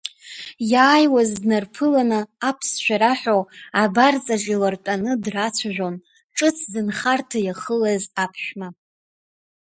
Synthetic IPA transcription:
jaːjwazdnarpʰɨlanɨːpʰsʃʷᶣaɾaħʷᶣoabart͡sʼaʒʼilartʼanɨdrat͡sʷʰaʒʷᶣon | ʈ͡ʂʼɨt͡sʰzɨnχartʰajaχəlazapʰʃᶣma

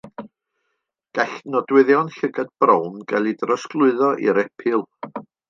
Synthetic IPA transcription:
ɡ̥aɬnɔdwɪðjɔnɬəɡad̚b̥rɔwnɡalˠidrɔsklˠʊɨðɔʔḭɾɛpʰɨlˠ

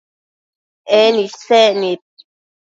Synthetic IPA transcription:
ɛnisɛʔnit̪̚

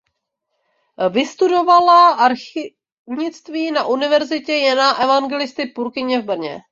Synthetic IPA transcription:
vɪst̪udo̞valaʔaɾxɪ | vɲɪt͡st̪viːnaʔunɪvɛɾzɪcɛjɛnaʔɛvaŋɡɛlɪst̪ɪpuɾkɪɲɛvbr̩ɲɛ̰

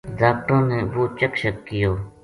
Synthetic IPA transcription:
daːk̚ʈõːneːʋoːt͡ʃəkʃəkːɪjoː

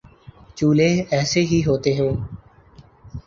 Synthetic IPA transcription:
t͡ʃuːleːɛːseːɦiːɦoːt̪eːɦõː

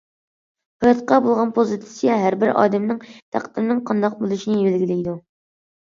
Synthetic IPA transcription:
hɑjɑt̪̚qɑbolˠʁɑnpʰozɨt̪ʰɪ̥sijɛɦæɾbɪɾɑ̰ːd̪ɛmnɨŋt̪ʰæ̰qt̪ɨmnɨŋqʰɑnd̪ɑq̚bolˠuʃinɨbelɡʲilɪjd̪u

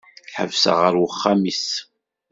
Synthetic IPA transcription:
ħə̰vsə̰ʁəɾwəχːamis

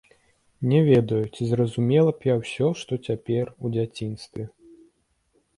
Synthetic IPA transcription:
nʲɛvʲɛd̪ɐjut͡sʲizrɐzumʲɛlˠɐpjawsʲɔʂt̪ɔt͡sʲapʲɛrud͡zʲat͡sʲinst̪vʲɛ

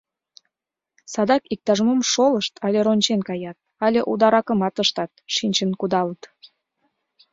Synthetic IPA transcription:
sɑd̪ɑkik̚t̪ɑʒəmomʃoləʃt̪ʰɑlʲeɾonʲt͡ɕenkɑjɑt̪̚ɑlʲeʔud̪ɑɾɑkəmɑt̪əʃt̪ɑt̪̚ʃinʲt͡ɕənkud̪ɑlət̪

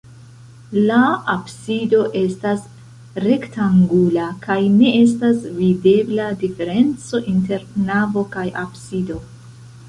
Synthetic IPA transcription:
laabsido̞ʔe̞stas | ɾe̞ktaŋɡulakajne̞e̞s̬tasvide̞bladife̞ɾe̞nt͡so̞ʔinte̞ɾnavo̞kajabsido̞

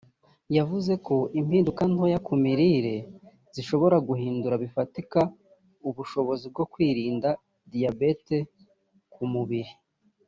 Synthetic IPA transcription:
javuze̞kʰo̞ʔimhiːndukanhojakumiɾiːɾe̞ | z̥iʃo̞βo̞ɾaɡuɦiːnduɾaβifatika | uβuʃo̞βo̞zib̚ɡo̞kwiːɾiːnda | dijabete̞ | kumuβiɾi

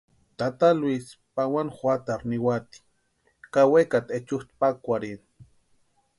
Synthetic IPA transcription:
t̪at̪alwispawanxʷat̪aɾniwat̪i̥ | kawekat̪et͡ʃuht̪pakʷaɾin

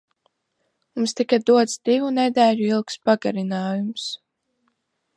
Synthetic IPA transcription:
mumst̪ikad̪uɔt̪sd̪̥ivunɛd̪ɛːʎuilˠkspaɡaɾinaːjums

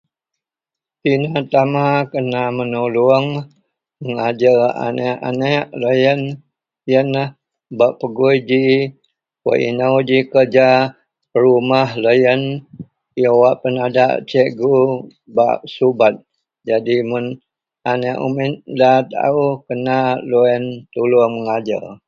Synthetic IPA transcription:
tinat̪amakənamənuluəŋ | məŋad͡ʒəa̰nɛʔa̰nɛʔləjən | jənah | baʔpəɡujd͡ʒi | wə̰ʔḭnawd͡ʒikəd͡ʒa | əɾumahləjən | jəwaʔpənada̰ʔt͡ʃɛʔɡu | ba̰ʔsubat̪̚ | d͡ʒadimʊn | anɛʔṵmɪt̪̚dat̪a̰ukənaloɛnt̪uluəŋməŋad͡ʒə̰

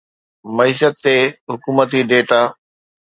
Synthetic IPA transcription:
mɐiːʃət̪ːeɦʊkuːmət̪iɖeːʈaː

